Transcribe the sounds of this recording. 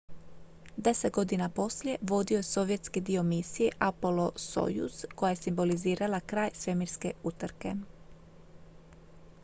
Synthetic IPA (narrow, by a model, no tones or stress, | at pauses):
d̪e̞set̪̚ɡo̞d̪inapo̞slje̞ʋo̞d̪io̞jeso̞ʋje̞t̪skid̪io̞miːsijeʔapo̞loso̰jṵsko̞jaje̞simbo̞liziːɾalakɾaːjsʋe̞miɾske̞ut̪ɾke̞̰